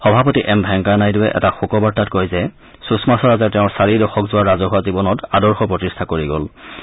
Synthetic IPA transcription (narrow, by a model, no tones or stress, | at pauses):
xɔbʱapɔtiʔɛmbʱɛŋkanajdʊwɛʔɛ̰taxukɔbaɹtat̚kojzɛ | susmasɔɹazatɛʊ̃ɹsaɹidɔxɔkzʊwaɹazɔɦʊazibɔnɔtadɔɹxɔpɹɔtistʰakoɹiɡɔ̰l